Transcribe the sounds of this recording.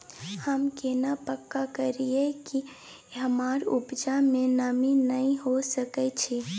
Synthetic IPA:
həmkenapəkːakəɾieki | ɦəmaːɾubd͡ʒamẽnəminəĩɦosəkɛt͡ʃʰi

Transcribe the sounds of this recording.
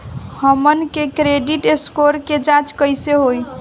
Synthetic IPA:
həmənkekɾeɖiʈeskoɾked͡ʒãt͡ʃkəjseɦoj

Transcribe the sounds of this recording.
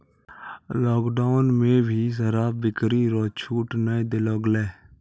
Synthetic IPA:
lɔːkɖaːʊnmẽːbʱiːs̬əɾaːb̚bɪkɾiːɾɔːt͡ʃʰuːʈnaẽd̪elɔːɡlɛː

